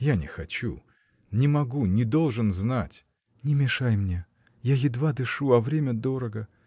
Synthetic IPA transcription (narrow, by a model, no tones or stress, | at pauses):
janʲɪxɐt͡ɕṵ | nʲɪmɐɡunʲɪd̪o̞lˠʐɨnznatʲ | nʲɪmʲɪʂajmnʲe | jajɪd̪vad̪ɨʂuɐvɾʲemʲəd̪o̞ɾəɡə